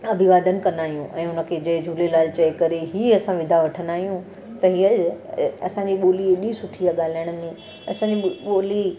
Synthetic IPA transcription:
ɐbʱɪʋaːd̪ənɪ̆kɐnd̪aːɦijũʔɛ̃ːʊnə̆kʰeːd͡ʑɐɦd͡ʑʱuːlelaːlt͡ɕɐːkɐɾeɦiːɐsãʋɪd̪ʱaʋɐʈʰənaːɦijũ | t̪ɐɦiːə | ɐsãːɲd͡ʑiɓoːliɗĩsʊʈʰiaɠaːl̤aːɪɽ̃ə̆mẽ | ɐsãɲd͡ʑiɓoːli

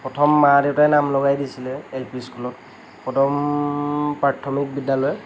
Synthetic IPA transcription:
pɔtʰɔmːadɛwtajnamlɔɡajdisilɛelpiskulɔt̚ | pɔtʰɔm | pɹatʰːɔmik̚bidalɔjɛ

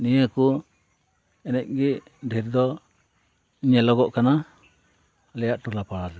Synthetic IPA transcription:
nijəku | ɛnɛc̚ˀɡiʔ | d̪ʱiɾd̪ɔ | ɲɛlɔɡɔʔkana | lɛjaʔʈulapaɽad̪ɛ

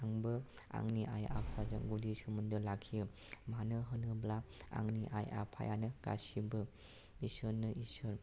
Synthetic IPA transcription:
aŋbɯ | a̰ŋniʔaja̰pʰaza̰ɡudisɯmundɯlakʰijɯmanɯɦɯnɯblaa̰ŋniʔa̰ja̰pʰa̰janɯɡ̥a̰sibɯ | isɯɾnɯʔisɯɾ

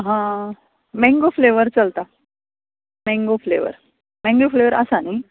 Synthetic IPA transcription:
ɦã | mɛ̃ŋɡofleʋəɾt͡səlt̪a | mɛ̃ŋɡofleʋə̰ɾ | mɛ̃ŋɡofleʋəɾəsani

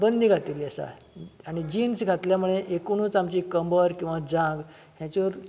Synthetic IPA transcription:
bənd̪ʱiɡʱat̪iliasa̰ | aɽ̃id͡ʑiːnsɡʱat̪ljamuɭeʔekuɽ̃ũːt͡samt͡ɕiːkəmbəɾkĩw̃ʋad͡zãŋɡ | ɦjãt͡ɕeʋəɾ

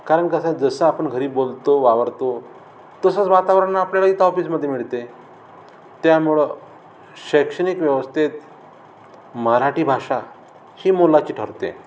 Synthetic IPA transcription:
kaɾəɳkəsãd͡zəsəapəɳɡʱəɾiːbolt̪oʋaʋəɾt̪o | t̪əsət͡sʋat̪aʋɾənːaːpljalait̪ɦɔfiːsməd̪ʱːjemiɭt̪e | t̪jamuɭə | ɕəkʂənikʋjəʋəst̪ʰet̪ | məɾaʈiːbʱaʂa | hiːmolat͡ɕiːʈʰəɾt̪ḛ

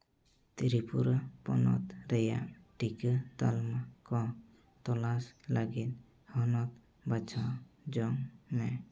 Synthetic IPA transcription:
t̪iɾipuɾapɔ̰nɔ̰t̪ɾɛja̰ʔʈikət̪almakɔ | t̪ɔlaslaɡit̪̚ | hɔnɔt̪̚ | bat͡ʃʰad͡ʒɔŋmɛ

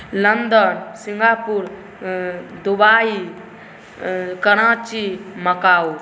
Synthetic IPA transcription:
lənd̪ənsiŋɡapuɾ | d̪ubaːi | kəɽ̃ãt͡ʃiməkaːw

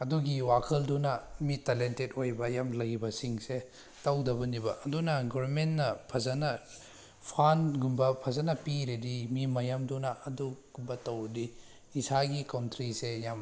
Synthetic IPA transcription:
ɐduɡiwakʰɐldunɐmitalentet̚ojbɐjamlɐjbɐsiŋse | tɐwdɐbɐnibɐɐdunɐɡɔbɐmentnɐpʰɐzɐnɐ | pʰanɡumbɐpʰɐzɐnɐpiɾedimimɐjamdunɐʔɐduɡumbɐtɐwdi | isaɡikawntɾisejam

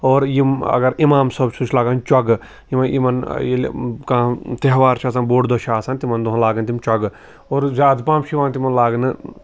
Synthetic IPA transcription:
oːɾjimɐ̰ɡɐɾimaːmsɐbsut͡ʃʰlaːɡant͡ʃɐɡ | jimɐnimɐnjelkãːt̪eɦʋaːɾt͡ʃʰaːs̬anboːɖd̪oːʃʰaːsaːnt̪imɐnd̪oɦnlaːɡɐnt̪̬imt͡ʃɐɡ | oːɾzʲaːd̪paːmʃʰiʋaːnt̪imɐnlaːɡnɨ

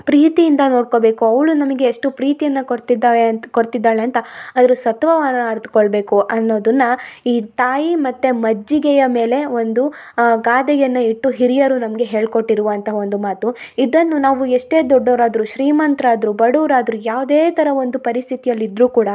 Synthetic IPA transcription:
pɾiːt̪ijind̪ɐno̞ːɽko̞ːbe̞ːkuɐʋɭunɐmɐɡe̞ːʂʈupɾiːt̪ijɐnːɐt̪id̪aːekoɾt̪id̪ːaːɭeɐnt̪ɐɐd̪ɐɾusɐt̪ʋɐʋaːnɐːɾt̪u̥koɭbe̞ːkuʔɐnːo̞ːd̪ɐnːɐiːt̪aːjimɐt̪ːemɐd͡ʒːiɡɛjɐme̞ːle̞o̞nd̪uɡaːd̪ɛjɐnːɐiʈːuɦiɾijɐɾunɐmɐɡe̞ɦe̞ːɭko̞ʈːiɾuʋɐnt̪ʰɐo̞nd̪umaːt̪uid̪ɐnːunaːʋueʂʈe̞ːd̪ɔɖːoːɾaːd̪ɾuʃɾiːmɐnt̪ɾɐːd̪ɾubɐɽuːɾaːd̪ɾujaːʋd̪eːt̪ɐɾɐo̞nd̪upɐɾist̪ʰit̪ijɐlːid̪ɾuːkuːɽɐ

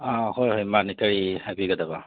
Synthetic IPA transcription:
ãhojhɔjmanikaɹihabiɡadaba

